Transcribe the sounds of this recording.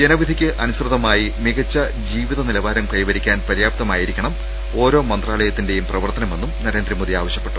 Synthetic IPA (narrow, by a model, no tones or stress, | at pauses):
d͡ʑenɐʋid̪ʱikʲːɨʔɐnusrɨðɐmaːjimiɡɐt͡ɕːɐ | d͡ʑiːʋiðɐnilɐʋaːɾɐmkɐjiʋɐɾikʲːaːnpɐɾjaːbt̪ɐmaːjiɾikʲːɐɳɐm | o̞ːɾo̞ːmɐnd̪raːɭɐjɐt̪ːinde̞jumprɐʋɐrt̪ɐnɐme̞nːumnɐɾe̞ːnd̪rimoðiaːʋɐɕjɐpːe̞̥ʈːu̥